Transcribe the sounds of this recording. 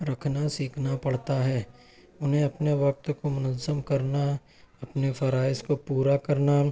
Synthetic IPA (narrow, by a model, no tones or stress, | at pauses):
ɾɐkʰnasiːkʰnapɐɽt̪aɦɛː | ʊnɦẽɐpneʋɐk̚t̪komʊnəzəmkɐɾna | ɐpnefʰɐɾaːɪskopuːɾakɐɾna